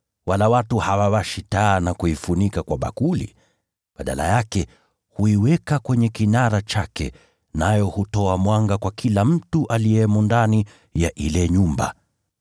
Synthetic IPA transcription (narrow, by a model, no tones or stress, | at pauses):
walawatuhawawaʃitaːnakuifunikakwaɓa̰kulḭ | ɓaɗa̰la̰jakɛ | huiwɛkakwɛɲɛkinaɾat͡ʃakɛ̰ | najɔhutɔamwaŋɡakwakʰilam̩tuʔaliɛmundani | jaʔilɛɲumba̰